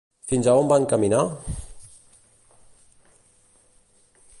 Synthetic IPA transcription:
finzaombaŋkamina

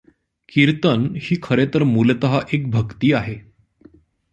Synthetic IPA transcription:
kiɾt̪ənhiːkʰəɾet̪əɾmulət̪əɦaʔek̚bʱəkt̪iːaɦe

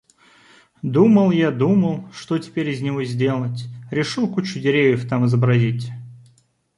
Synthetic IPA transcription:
d̪uməlˠjad̪uməlˠʂt̪o̞tʲɪ̥pʲeɾʲɪzʲnʲɪvozʲdʲe̞lˠətʲɾʲɪʂɨlˠkut͡ɕʊdʲɪɾʲevʲjɪft̪amɨzəbɾɐzʲitʲ

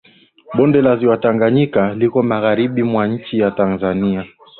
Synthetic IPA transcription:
ɓɔndɛlaziwataŋɡaɲikalikɔmaɣaɾiɓimwaɲ̩t͡ʃijatanzania

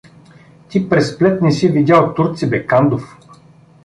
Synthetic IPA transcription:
t̪ipɾɛsplɛt̪nɛsivid̪ʲaot̪ːuɾt̪sibɛkand̪of

